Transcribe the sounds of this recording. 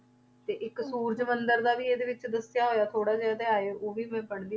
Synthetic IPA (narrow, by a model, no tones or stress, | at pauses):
t̪eːʔɪksuːɾd͡ʒmənd̪əɾd̪aːʋiːeːd̪eːʋɪt͡ʃd̪əsɪjaːɦoːjaːt̪ʰoːɽaːd͡ʒad̪eːaːeːoːʋiːmɛ̃ːpəɳd̪iː